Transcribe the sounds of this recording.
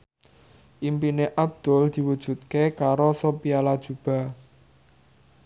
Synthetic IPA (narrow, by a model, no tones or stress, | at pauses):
ʔimpineʔab̚d̪̥ɔ̤ld̪̥i̤wud̥ʒ̥ṳt̪̚kekaɾosopialad̥ʒ̥ṳb̥a̤